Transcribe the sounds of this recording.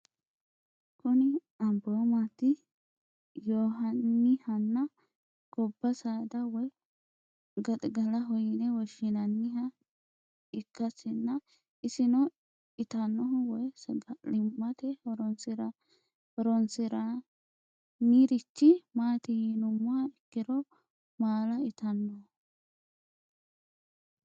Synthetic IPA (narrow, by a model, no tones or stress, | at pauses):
kʊnɪ | ɐmbomat̪ɪ | joːɦɐnːɪhɐnːɐ | ɡ̥ɔbːɐsaːd̪ɐwɔj | ɡɐt̪ʼɡɐlɐɦɔjɪnɛwɔʃɪnɐnːɪɦɐ | ɪkːɐsɪnːɐ | ɪsɪnɔ | ɪt̪ɐnːɔɦʊwɔjsɡɐlɪmːɐt̪ɛhɔɾɔnsɪɾɐ | hɔɾɔnsɪɾɐ | niɾɪt͡ʃːɪmaːt̪ɪjinʊmːʊɐɪkːɪɾɔ | maːlɐɪt̪ɐnːɔhʊ